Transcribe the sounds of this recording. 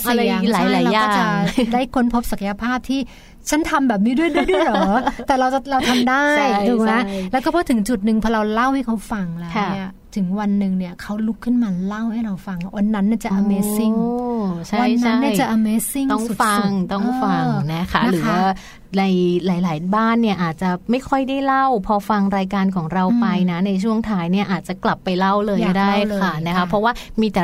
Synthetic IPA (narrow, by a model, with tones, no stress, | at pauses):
sʔa˨˩a˧ja˧˩aː˨˦jla˧˨˦a˧aːɔː˥˩t͡ɕa˨daː˥˩jkʰo˧˥npʰo˦˥p̚sa˨˩kʰa˧ja˧pʰaː˥˩p̚t̪ʰiː˥˩ | t͡ɕʰa˦˥nt̪ʰa˧mbɛː˨˩p̚niː˦˥˩du˥˩əjdu˥˩əjdu˥˩əjlɔlːt̪ɛː˨˩ɾa˧wt͡ɕa˨˩ɾa˧wt̪ʰa˧mdaː˥˩jduː˧˩na˦˥lɛː˦˥wkɔː˥˩pʰɔː˦˥˩t̪ʰɯ˩˦ŋt͡ɕu˨˩t̪̚nɯ˨˧ŋpʰɔ˧ɾa˧wla˥˩wha˥˩jkʰa˦˥wfa˧ŋlɛː˦˥ni˥˩ɐ | t̪ʰɯ˨˩˦ŋwa˧nːɯ˨˧ŋni˥˩ɐkʰa˦˥wlu˦˥kʰːɯ˥˩nmaː˧la˥˩wha˥˩jɾa˧wfa˧ŋwa˧nːa˦˥nːi˥˩t͡ɕa˨˩ʔaː˧meː˨˧˥si˥˩ŋt͡ɕʰa˥˧a˧˩jt͡ɕːa˦˥nːi˥˩jt͡ɕa˨˩ʔa˧meː˧˥si˥˩ŋt̪ɔ˥˩ŋ˨˩fa˧˩ŋt̪ɔ˥˩ŋfa˧ŋna˦˥kʰa̰˦˥˩ɾɯː˩˦ | na˧jlaː˨˩˦jlaː˩˦jbaː˥˩nːi˥˩ɐʔaː˨˩t̪̚t͡ɕa˨˩ma˥˩jkʰɔ˥˩jdaː˥˩jla˥˩wpʰɔː˧fa˧ŋɾaː˧jkaː˧nkʰɔː˩˦ŋɾa˧wpa˧jna˦˥na˧jt͡ɕʰu˥˩əŋt̪ʰaː˦˥jni˥˩ɐʔaː˨˩t̪̚t͡ɕa˨˩kla˨˩pːa˧jla˥˩wlɤː˧jkɔ˥˧˥daː˥˩jʰːa˥˩na˦˥kʰa˦˥pʰɾɔ˦˥waː˥˩miː˧t̪ɛ˨˩